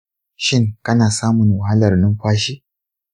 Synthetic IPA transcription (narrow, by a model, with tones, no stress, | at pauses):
ʃɪ˦ŋkɐ˦naː˨saː˦mʊ˨ŋwa˨ɦa˦lɐ˨rnʊ˦mɸaː˦ʃiː˦